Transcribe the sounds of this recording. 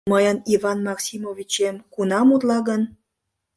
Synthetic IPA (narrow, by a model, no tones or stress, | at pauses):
məjənivɑnmɑksʲimovʲit͡ɕemkunɑmut̪lɑɣən